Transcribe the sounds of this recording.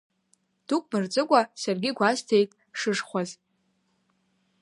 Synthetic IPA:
d̥ukʷʼmɨrd͡zʼɨkʷʼasarɡʲɪɡʷaztʰe̞jtʼ | ʂɨʂχʷaz

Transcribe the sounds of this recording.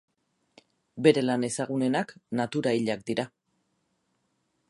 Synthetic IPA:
be̞ɾe̞lane̞saɣ̞une̞naknat̪uɾaiʎakd̪iɾa

